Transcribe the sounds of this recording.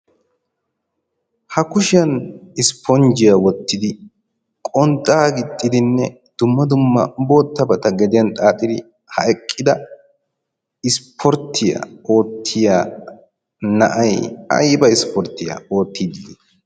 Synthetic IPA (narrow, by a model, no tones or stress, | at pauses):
hɐkʊʃɪjɐnɪspʰɔnd͡ʒɪjawɔt̪ːɪd̪ɪ | kʼɔnt̪ʼːaːɡɪt̪ʼːɪd̪ɪnːɛ | d̪̥ʊmːɐd̪ʊmːɐ̰bo̞ːt̪ːɐbɐt̪ɐɡɛd̪ɪjɐnt̪ʼaːt̪ʼːɪd̪ɪ | hɐʔɛkʼːɪd̪ɐ | ɪspʰɔɾt̪ʰːɪja̰o̞ːt̪ʰːɪjaː | nɐʔɐjɐ̰jbɐɪspɔɾt̪ːɪja̰o̞ːt̪ːiːd̪ɪ